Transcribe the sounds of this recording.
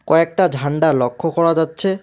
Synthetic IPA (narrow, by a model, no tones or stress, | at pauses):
kɔɛk̚tadʱanɖalɔkʰːɔkɔɹazatːsʰɛ